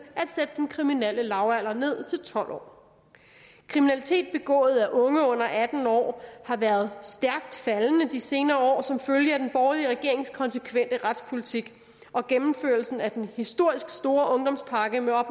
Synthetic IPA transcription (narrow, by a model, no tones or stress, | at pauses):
ʔæd̥sed̥əd̥enkʰʁiminel̰əlɑ̈ʊæl̰ɐne̝ð̰ˠt͡sʰe̝lt͡sʰɒ̽l̰ʔɒ̰ː | kʰʁiminælit͡sʰe̝̰ːd̥̚b̥e̝ɡ̥ɔ̰̽ːð̞̩ˠæʔɔ̽ŋəɔ̽n̰ɐʔæd̥n̩ɒ̰ːhɑ̈ʋæːɐð̞ˠsd̥æɐɡ̥̚d̥fælənəd̥ise̝ːnɐːɒ̰ːsɒ̽mføljəæd̥enb̥ɒːliəʁɛɡ̥e̝ɐ̰e̝ŋskʰɒ̽nsəkʰʋen̰d̥əʁɑ̈d̥spʰo̝lit͡sʰiɡ̥ | ɒ̽ɡ̥emm̩føɐl̩sn̩æd̥enhisd̥o̝ɐ̰isɡ̥sd̥o̝ːɐʔɔ̽ŋd̥ɒ̽mspʰɑ̈ɡ̥əmeɒ̽b̥